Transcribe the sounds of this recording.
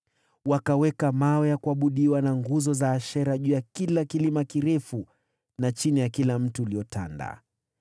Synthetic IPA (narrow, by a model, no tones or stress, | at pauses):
wakawɛkamawɛjakuaɓuɗiwanaŋɡuzɔzaːʃɛɾaʄuːjakilakilimakiɾɛfu | nat͡ʃinijakilam̩tuːliɔta̰nda̰